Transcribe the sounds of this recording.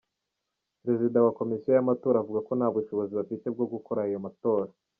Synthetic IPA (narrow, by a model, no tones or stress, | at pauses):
pɾe̞zidawako̞misiajamato̞ːɾaːvuɡako̞nhaːβbuʃo̞βo̞ziβafite̞b̚ɡo̞ɡuko̞ɾaijo̞mato̞ːɾa